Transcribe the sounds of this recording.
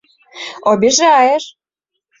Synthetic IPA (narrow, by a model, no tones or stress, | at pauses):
obʲiʒeɑjeʃ